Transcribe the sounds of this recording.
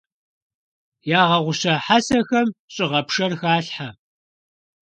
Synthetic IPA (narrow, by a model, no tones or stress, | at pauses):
jaːʁɐʁʷʊɕɐħasɐxɐmɕʼɪʁɐpʂɐrxaːɬħa